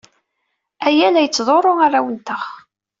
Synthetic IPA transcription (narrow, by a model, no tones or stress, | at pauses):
æjælæjət͡sːðˤoɾˤoʁaɾˤawənt̪əχ